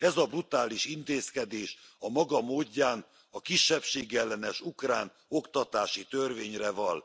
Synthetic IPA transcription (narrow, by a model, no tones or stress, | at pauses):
ɛzɒbrut̪aːliʃint̪eːskɛd̪eːʃɒmɒɡɒmoːɟːaːn | ɒkiʃːɛpʃeːɡɛlːɛnɛʃukraːn | o̞kt̪ɒt̪aːʃit̪ørveːɲrɛvɒl